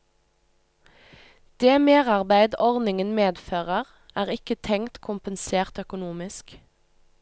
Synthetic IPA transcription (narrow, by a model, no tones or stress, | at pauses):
d̪̥eːmeːʁɑʁbæɪd̪ɔʁd̪nɪŋənmeːd̪føːʁəʁ | æːʁɪkət̪ʰɛŋt̪kʰʊmpənseːʁt̪œkʊnuːmɪsk